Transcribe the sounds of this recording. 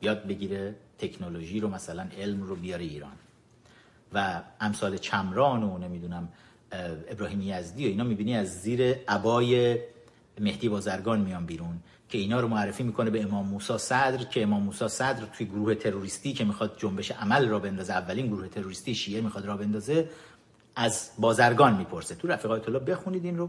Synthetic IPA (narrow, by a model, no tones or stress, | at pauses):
bijɒːd̪̚be̞ɟiːɾet̪ʰe̞cʰnoloʒiːɾomæsælæne̞lmrobijɒːɾeiːɾɒ̰ːn | vææmsɒːle̞t͡ʃʰæmɾɒːnone̞mid̪unæm | e̞bɾɒːhiːmejæzd̪ijo̞iːnɒːmiːbiːniæzːiːɾe̞æbɒːje | me̞hd̪iːbɒːzæɾɡɒːnmijɒːnbiːɾun | cʰe̞iːnɒːɾomoærːefiːmiːkʰone̞beːmɒːmːuːsɒːsæd̪ɾcʰe̞ːmɒːmːuːsɒːsæd̪ɾt̪ʰujeɡoɾuːhe̞t̪ʰe̞ɾoɾiːst̪iːcʰe̞mixɒːd̪̚d͡ʒombe̞ʃeʔæmælrɔːbe̞nd̪ɒːzeævːæliːnɡoɾuːhe̞t̪ʰe̞ɾoɾist̪iːʃiːʔe̞mixɒːd̪ɾɒːbe̞nd̪ɒːze̞ | ʔæzbɒːzæɾɡɒːnmiːpʰo̞ɾset̪ʰuɾæfiːɣɒːjet̪ʰolɒːbe̞xuniːd̪inro̞